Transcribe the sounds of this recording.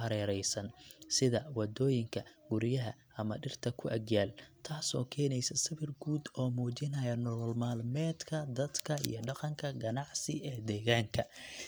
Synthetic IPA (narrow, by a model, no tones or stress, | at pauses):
hɐɾɛːɾɛjsɐnsɪðɐwɑd̪ɔːjɪŋkʰɐɡ̥ʊɾjɐɦɐʔɐmɐɖɪrt̪ʰɐkʰʊʔɐɡjaːlt̪ʰaːsɔ̰ːkʰɛːnɛjsɐsɐβɪrɡuːd̪ɔːmuːt͡ʃɪnɐjɐnɔlɔlmaːlmɛːd̪kʰɐd̪ɐd̪kʰɐḭjɞɖɑqɑŋkʰɐɡɐnɑʕsɪɛːd̪ɛːɣaːŋkʰɐ